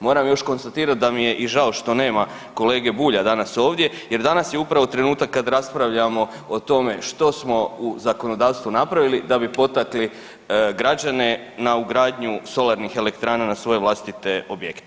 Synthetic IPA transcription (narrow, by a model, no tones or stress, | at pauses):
mo̞ːɾamjo̞ʃko̞nst̪at̪iːɾat̪̚d̪amije̞ʔiʒao̞ʃt̪o̞ne̞ːma | ko̞le̞ːɡe̞buːʎad̪anaso̞ːʋd̪je̞ | je̞ɾd̪anasjeupɾaʋo̞t̪ɾe̞nuːt̪akːad̪ɾaspɾaʋʎamo̞ | ot̪o̞me̞ʃt̪o̞smo̞uzako̞no̞d̪aːʋst̪ʋunapɾaʋilid̪abipo̞t̪akli | ɡɾad͡ʑane̞ | nauɡɾaːd̪ɲuso̞lˠaɾnixe̞le̞kt̪ɾaːnanasʋo̞je̞ʋlast̪it̪e̞o̞bjekt̪e